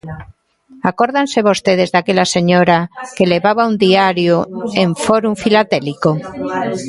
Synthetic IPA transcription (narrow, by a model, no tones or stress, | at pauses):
akoɾðanseβost̪eð̞ezðakeʎaseɲoɾakeleβaβaund̪iaɾjoeɱfoɾuɱfilat̪eliko